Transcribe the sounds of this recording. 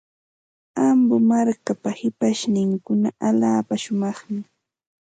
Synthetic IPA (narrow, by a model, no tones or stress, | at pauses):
ambʊmaɾkapahɪpaʃnɪŋkʊnaaʎaːpaʃʊmɑχmɪ